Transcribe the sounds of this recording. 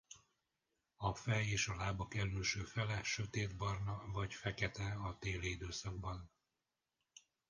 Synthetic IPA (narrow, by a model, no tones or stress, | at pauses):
ɒfɛjeːʃɒlaːbɒkɛɾylʃøːfɛlɛʃø̞t̪eːd̪bɒrnɒvɒcfɛkɛt̪ɛɒt̪eːliid̪øːsɒɡ̚bɒn